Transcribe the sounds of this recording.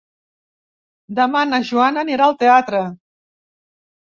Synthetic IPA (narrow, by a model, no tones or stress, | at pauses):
d̪əmanəʒuanəniɾaːlˠt̪eat̪ɾə